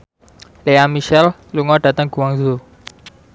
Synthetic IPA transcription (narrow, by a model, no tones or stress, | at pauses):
leamiʃɛl | luŋɔɖ̥ä̤t̪əŋɡ̥ṳwaŋzo